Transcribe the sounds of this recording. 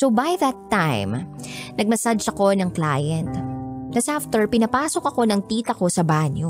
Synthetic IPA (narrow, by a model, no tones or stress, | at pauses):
sowbajðɐt̪ːajmnɐɡ̚mɐsad͡ʒɐko̞nɐŋkla̰ːjɐnt̪nɐsaft̪ɛɹpɪnɐpaːso̞kɐko̞nɐŋt̪iːt̪ɐko̞sɐbanjo